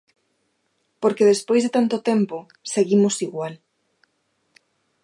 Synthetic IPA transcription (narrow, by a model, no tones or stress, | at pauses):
poɾkeðespojzðet̪ant̪ot̪ɛmpo | seɣimosiɣwal